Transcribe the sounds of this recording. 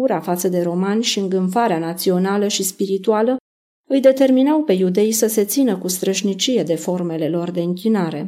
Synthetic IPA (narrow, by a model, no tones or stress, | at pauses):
uɾafat̪səd̪e̞ɾo̞manʲʃiɨŋɡɨɱfaɾeanat̪sio̞naləʃispiɾit̪ualə | ɨjd̪e̞t̪e̞rminawpe̞jud̪e̞jsəse̞t̪sinəkust̪ɾəʃnit͡ʃije̞d̪e̞fo̞rme̞le̞lo̞rd̪e̞ɨŋkʲinaɾe̞